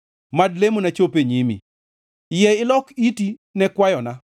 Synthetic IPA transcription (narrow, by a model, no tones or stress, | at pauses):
madlemonat͡ʃopeɲimḭ | jɛɪlɔkitinɛkwajɔna